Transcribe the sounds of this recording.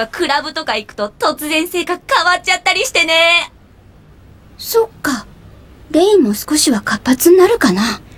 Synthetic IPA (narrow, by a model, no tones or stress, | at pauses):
akɯ̟ɾabɯ̟t̪o̞kaikɯ̟̥t̪o̞t̪o̞t͡sɨzẽ̞ɰ̃se̞ːkakɯ̥kaβat̚t͡ɕat̪ːaɾʲiɕi̥t̪e̞ne̞ | so̞kːa | ɡẽĩmːo̞sɨ̥ko̞ɕiβakapːat͡sɨɲinaɾɯ̟kana